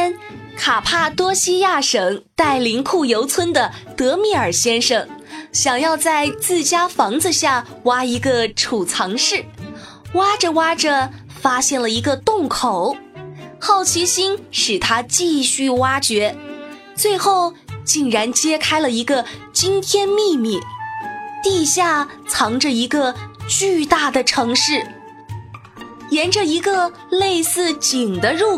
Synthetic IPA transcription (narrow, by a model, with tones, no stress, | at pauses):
n | kʰa˨˩pʰa˥˩t̪wɔ˥ɕi˥ja˥˩ʂɤ˨˩˦ŋt̪a˥˩ɪli˧˥ŋkʰu˥˩jo˧˥ʊt͡sʰwə˥nd̪ə˨t̪ɤ˧˥mi˥˩ə˞˨˩ɕjɛ˥nʂɤ˨˩ŋɕjɑ˨˩ŋjɑ˥˧ʊt͡sa˥˧ɪt͡sɹ̩˥˩t͡ɕja˥fɑ˧˥ŋd͡zɹ̩˧ɕja˥˩ | wa˥i˧˥ɡə˧ʈ͡ʂʰu˨˩t͡sʰɑ˧˥ŋʂɻ̩˥˩ | wa˥ʈ͡ʂə˨wa˥ʈ͡ʂə˩ | fa˥ɕjɛ˥˩nlə˩i˧˥ɡə˧t̪ʊ˥˩ŋkʰo˨˩˦ʊxɑ˥˩ʊt͡ɕʰi˧˥ɕi˥nʂɻ̩˨˩t̪ʰa˥t͡ɕi˥˧ɕy˥˩wa˥t͡ɕɥɛ˧˥ | t͡swe˥˧ɪxo˥˩ʊt͡ɕi˥˩ŋɻa˧˥nt͡ɕjɛ˥kʰa˥ɪlə˨i˧˥ɡə˧ | t͡ɕi˥nt̪ʰjɛ˥nmi˥˧mi˥˩ | t̪i˥˧ɕja˥˩t͡sʰɑ˧˥ŋʈ͡ʂə˧i˧˥ɡə˧t͡ɕy˥˧t̪a˥˩d̪ə˩ʈ͡ʂʰɤ˧˥ŋʂɻ̩˥˩ | jɛ˧˥nʈ͡ʂə˧i˧˥ɡə˧ | le˥˧ɪsɹ̩˥˩t͡ɕi˨˩ŋd̪ə˦ɻu˥˧